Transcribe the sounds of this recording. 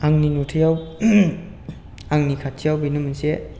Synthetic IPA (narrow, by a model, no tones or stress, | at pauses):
aŋninutʰɯjaw | aŋnikʰatʰːijawbinɯmɯnse